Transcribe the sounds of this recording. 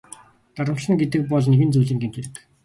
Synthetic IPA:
t̪aɾə̆mɬə̆ŋɡet̪ɘ̆k̚pɔɮneɣɘ̆nt͡sujɮiːŋɡemt̪ʰeɾɘ̆k

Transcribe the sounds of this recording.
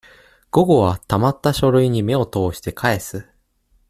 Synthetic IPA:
ɡ̥o̞ɡo̞βat̪amat̪ːaɕo̞ɾɯ̟iɲ̟ime̞o̞t̪o̞ːɕi̥t̪e̞kʰae̞sɨ

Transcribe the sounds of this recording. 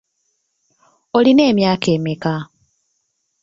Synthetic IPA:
oline̞ːmjaːkeːmika

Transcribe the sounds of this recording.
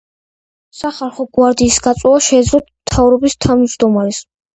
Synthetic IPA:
saχaɾχɔɡwaɾd̪iːsɡat̪sʼwɔaʃɛːd̪zlɔt̪ʰmt̪ʰavɾɔbist̪ʰavnd͡ʒd̪ɔmaɾɛs

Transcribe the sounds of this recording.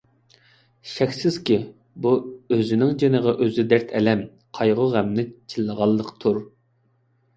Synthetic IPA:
ʃɛkʲsɪz̥kʲi | buøzɪnɪŋd͡ʒenəʁɑʔøzɪd̪æɾt̪ʰɛlɛm | qʰɑjʁʊʁæmnɪt͡ʃʰilːəʁɑlˠːəqt̪ʰuɾ

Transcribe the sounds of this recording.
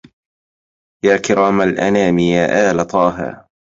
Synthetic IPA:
jaːkɪɾaːmalʔa̰naːmɪjaːʔaːlat̪ˤɑːɦɪ̰ɾ

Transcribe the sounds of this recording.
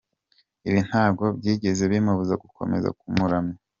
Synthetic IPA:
iβin̥haːɡo̞bɟiːɟe̞ze̞βimaβuzaɡukʰo̞̰me̞̰za̰kumuɾamɲa

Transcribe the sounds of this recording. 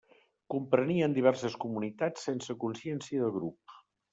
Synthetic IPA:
kumpɾəniəːnd̪iβ̞ɛrsəskumunit̪at͡sːensəkunsjɛnsiəðəlˠɣɾup̚

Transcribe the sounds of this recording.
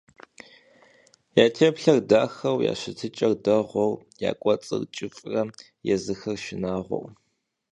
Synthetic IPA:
jaːtʰeːpɬɐrdaːxɐwja̰ːɕɪtʰɨt͡ʃʼɐrdɐʁʷɔw | ja̰ːkʷʼɔt͡sʼɨ̰rt͡ʃʼɪfʼrɐ | jɛzɨxɐrʃɪnaːʁʷɔ̰w

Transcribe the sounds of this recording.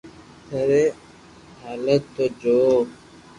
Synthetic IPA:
t̪ʰəɾe | ɦaːlət̪ːoːd͡ʒoː

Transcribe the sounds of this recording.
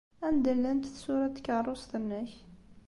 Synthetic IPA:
ænd̪əlːænt̪θsuɾɑt̪ːkɑrˤosˤt̪ənːæç

